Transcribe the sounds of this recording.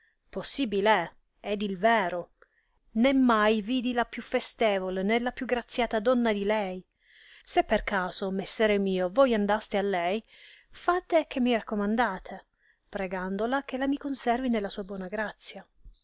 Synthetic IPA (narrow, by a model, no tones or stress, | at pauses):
posːiːbile | ɛd̪ilvɛːɾo | nemːajviːd̪ilapjufest̪ɛːvolenelːapjuɡɾat̪sːjaːt̪ad̪ɔnːad̪ilɛj | sepːerkaːzomesːɛːɾemiːovojand̪ast̪ealːɛjfat̪ek̟ʰemːirakːomand̪aːt̪ʰe | pɾeɡand̪olak̟elamikonsɛrvinelːasuːabwɔːnaɡɾat̪sːja